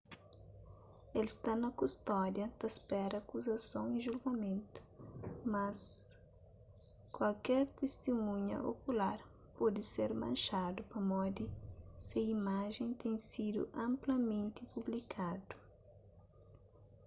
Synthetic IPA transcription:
elst̪anɐkust̪ɔd̪jɐd̪ɐspɛɾɐaːkuzɐsõw̃ẽʒulɡɐmẽnt̪ʊ̥mɐs | kwalkɛɾt̪est̪imũɲɐ̰ʔo̰kulaɾ | pɔd̪ɪseɾmɐ̰̃nʃad̪ʊpɐmɔd̪isɪimaʒẽj̃t̪ẽj̃sid̪ʊ̰ʔɐ̃mplɐmẽnt̪ɪpublikʰad̪ʊ̥

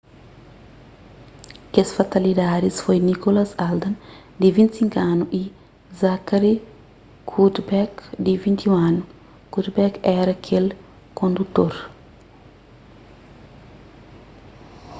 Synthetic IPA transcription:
kesfat̪ɐlid̪aːdisfojnikolɐsald̪ɐnd̪ivint̪siŋkaːnuʔi | zakaɾi | kʰudbɛkd̪ivint̪iwanu | kud̪bɛkɛːɾɐkʰel | kond̪ut̪oɾ

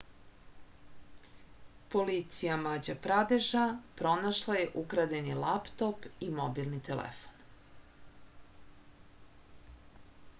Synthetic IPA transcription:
po̞lit̪sijamad͡ʑapɾad̪eʒapɾo̞naʃlˠajeʔukɾad̪enilapt̪o̞pimobilˠnit̪elḛfo̥n

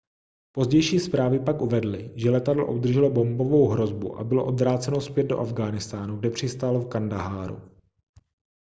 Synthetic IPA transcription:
po̞zɟɛjʃiːspɾaːvɪpakʔuvɛdlɪʒɛlɛt̪adlo̰ʔobd̪r̩ʒɛlobo̞mbo̞vo̞wɦɾo̞zbṵʔa̰bɪloʔo̞d̪vɾaːt͡sɛnospjɛd̪̚do̞ʔavɡaːnɪst̪aːnuɡ̚dɛpr̥ɪst̪aːlofkandaɦaːɾṵ

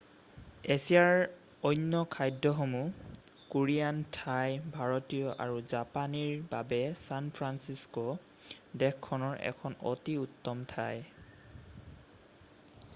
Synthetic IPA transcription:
esijaɹ | ɔjnːɔkʰajdɔxɔmu | kuɹijantʰajbʱaɹɔtijɔʔa̰ɹuzapaniɹbabɛsanpʰɹansiskɔ | dɛkkʰːɔnɔɹʔɛ̰kʰɔnɔ̰tiutːɔmtʰaj

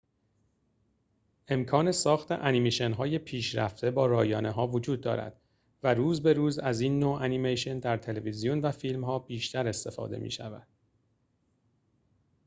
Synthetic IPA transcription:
ʔe̞mkʰɒːne̞sɒːxt̪ʰe̞̰ʔænimeʃe̞nɦɒːje̞pʰiːʃɾæ̰ft̪e̞bɒːɾɒːjɒːneɦɒːvod͡ʒuːd̪̚ːɒ̰ːɾæ̰d̪̥ | væɾuːzbe̞ɾuːzæziːnːoːʔænimejʃe̞nd̪æɾt̪ʰe̞levizijonvæfiːlmhɒːbiːʃt̪ʰæɾe̞st̪e̞fɒ̰ːd̪e̞̰mʔḭːʃævæ̰d̪̥̚

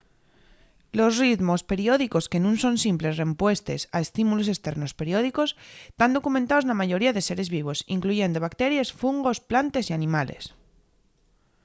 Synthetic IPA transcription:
lo̞sriðmo̞spe̞ɾjo̞ðiko̞ske̞nũnso̞nsimple̞szre̞mpwe̞st̪e̞sae̞st̪imulo̞s̬e̞st̪e̞ɾno̞spe̞ɾjo̞ð̞iko̞set̪and̪o̞kument̪ao̞znamaʝo̞ɾiaðe̞se̞ɾe̞zβiβ̞o̞siŋkluʝe̞nd̪oβakt̪e̞ɾjesfuŋɡo̞splant̪e̞sianĩmale̞̰s

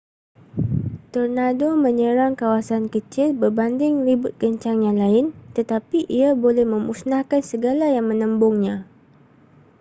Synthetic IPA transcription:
t̪ornadomə̃ɲəɾaŋkawasankət͡ʃɪlbərbandɪŋɾibʊt̪̚kəɲt͡ʃaŋjaŋlaɪnt̪ət̪apiʔiabolɛhmə̃musnahkansəɡalajaŋmə̃nə̃mbʊŋɲã

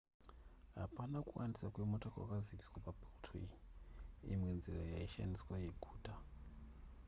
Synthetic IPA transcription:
ɦa̰panakuwandisakwemotʰʼakwa̰kazikiswapabultʰii | ḭmwenziɾajaiʃa̰niswajeɡʱuːtʼa

